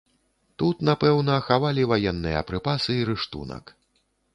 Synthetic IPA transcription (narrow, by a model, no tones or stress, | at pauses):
t̪ut̪napɛwnɐxavalʲivajɛnːɨjɐ̰ːpɾɨpasɨiɾɨʂt̪ṵnɐ̰k